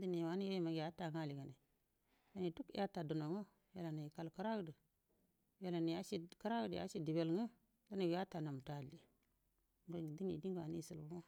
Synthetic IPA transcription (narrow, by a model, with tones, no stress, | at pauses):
di˦ni˨wa˨˦ni˦je˦i˦ma˨ɡa˦ta˨ŋa˦˨li˨ɡa˨ni˨ | ɡa˦ni˨tu˦kḭ˦ja˦ta˨do˨no˨ŋo˦ | ja̰˨la˨ni˨ji˨ka˨lka˦ɾa˦ɡdi˨ | je˨la˨ni˨ja˦ʃi˦ka˦ɾa˦ɡə˦˨dḭ˨ja̰˦ʃi˦di˨be˨lŋə˦ | da˦ni˨ɡja˦ta˨na˨m˨ta˨li˨ | bə˨di˦nḭ˨di˦ŋɡa˨ni˦˨si˨lmo˦